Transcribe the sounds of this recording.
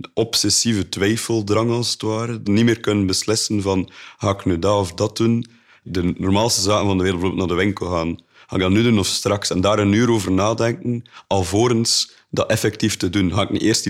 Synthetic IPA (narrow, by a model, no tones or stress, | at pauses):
nɔpsɛsivətwɛjfəlˠdrɑŋɑlˠzətwaːɾənimeːrkɵnənbəslɪsənvɑnhaːɪknydaɔfdɑt̚un | dənɔrmaːlˠstəzaːkənvɑndəʋeːdlˠbəoblˠtnaːrdəʋɪŋkəlˠɣaːn | haːɪɡ̚dɑtnydunɔfstrɑksɛndaːɾənyːəɾoːvərnaːdɛŋkənɑlˠvoːɾəns | dɑtɛfɛk̚tiftədunɦaːɪknḭʔeːrst